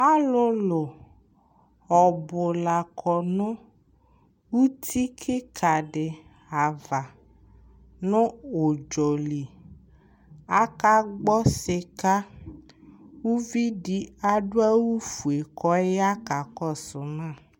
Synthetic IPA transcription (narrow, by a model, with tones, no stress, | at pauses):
a˦lʊ˧lʊ˨ | ɔ˨bʊ˨la˨kʰɔ˨nʊ̃˦ | wu˦t̪ʰi˦kʰɪ˦kʰa˨ɖɪ˨ | a˨va˨ | nʊ̃˦o˨d͡ʒɔ˨li˨ | a˦ka˦ɡ͡bɔ˦sɪ˧ka˦ | wu˦vi˦di˦a˦ɖʊ˦a˦wu˦fu˨e˨kɔ˨e˦ja˦ka˨kɔ˦˨sʊ˨nãː˦˨